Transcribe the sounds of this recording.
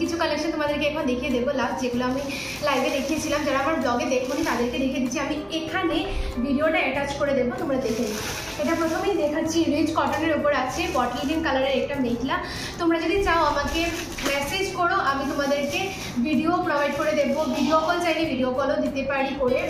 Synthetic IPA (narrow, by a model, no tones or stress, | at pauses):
kit͡ɕʰukɔlekʃant̪omad̪eɾkeɛkʰond̪ekʰied̪ebolabd͡ʑeɡuloami | lajbed̪ekʰiet͡ɕʰilamd͡ʑaɾaamaɾblɔɡed̪ekʰbonit̪ad̪eɾked̪ekʰied̪it͡ɕʰiami | ekʰanebʱiɖioʈaɛʈat͡ɕkoɾed̪ebot̪omɾad̪ekʰeni | eʈapɾot̪ʰomejd̪ekʰaːt͡ɕʰiɾid͡ʑkɔʈaneɾupoɾat͡ɕʰepɔʈlinimkalaɽeɾɛk̚ʈamejkla | t̪omɾad͡ʑod̪it͡ɕaoamake | mɛsed͡ʑkɔɽoʔamit̪̬omad̪eɾke | bʱiɖiopɾobʱajɖ̚koɾed̪ebobʱiɖiokɔlt͡ɕajnebʱiɖiokɔlod̪it̪epaɽikole